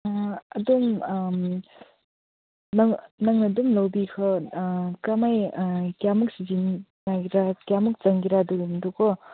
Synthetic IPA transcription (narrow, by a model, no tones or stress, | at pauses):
ɐdum | naŋnaŋnɐdumlawbikʰɔ | kamajkijamuk̚sizinnaɾakjamuk̚t͡ʃɐŋɡiɾaduɾumdukʰɔ